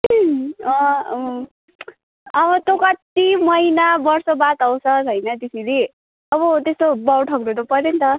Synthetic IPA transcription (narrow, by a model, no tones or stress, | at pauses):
ʌʌ | ʌβʌt̪okat̪imʌjnabʌrsobat̪awsʰʌt͡sʰʌjnʌt̪isili | ʌβʌt̪est̪obawʈʰʌkɾunʌpʌɾent̪ʌ